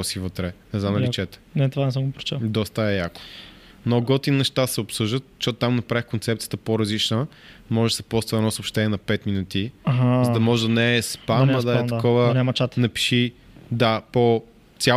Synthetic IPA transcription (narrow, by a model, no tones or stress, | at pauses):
ɔsivət̪ɾɛnɛznamnd̪ɐllit͡ʃɛt̪ɛ̥nɛt̪ovanɛsəmɡopɾo̥t͡ʃɛd̪ɔst̪əɛjako̥ | mnoɡɔt̪innːɛʃt̪asɛopsɤʒd̪ət̪ʃɔt̪t̪amnɐpɾavixkont̪sɛpt̪sijət̪əpoɾɐzlit͡ʃnə | mɔʒɛd̪sɛ̥pɔst̪vəɛnɔsopʃt̪ɛniɛnɐpɛt̪minut̪iaɦazəd̪ɐmɔʒɛd̪ɐnɛɛspanɐd̪ɐɛɐkɔvənamɐt͡ʃat̪nɐpi̥ʃi | d̪apo | t̪sʲja